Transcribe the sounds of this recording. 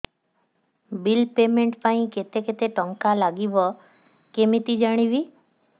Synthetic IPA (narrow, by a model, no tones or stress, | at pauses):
bilpemẽɳʈpaĩket̪eket̪eʈɔŋkalaɡibɔ | kemit̪id͡ʒaɽ̃iʋi